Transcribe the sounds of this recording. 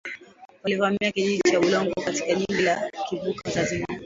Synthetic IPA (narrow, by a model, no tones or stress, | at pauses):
walivamiakiʄiʄit͡ʃaulɔŋɡɔkatikaʄiŋɡilakivukazazima